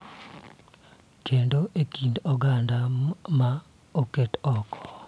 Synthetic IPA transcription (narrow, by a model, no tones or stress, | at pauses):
kendoʔekindɔɡandama | oketɔkɔ̥